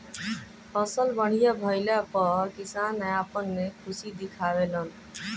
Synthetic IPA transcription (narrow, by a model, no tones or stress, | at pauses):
pʰʌsəlbəɽ̤ijabʱʌɪlapʌkisanaapənːekʰusid̪ikʰaβelʌn